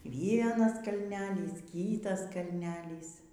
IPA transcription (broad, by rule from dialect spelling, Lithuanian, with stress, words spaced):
ˈʋʲiɛnɐs kɐlʲˈnʲæːlʲiːs ˈkʲiːtɐs kɐlʲˈnʲæːlʲiːs